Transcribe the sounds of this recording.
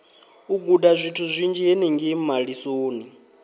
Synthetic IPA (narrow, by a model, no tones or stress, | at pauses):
uɡudazʷitʰuzʷind͡ʒieniŋɡimaɺisoːni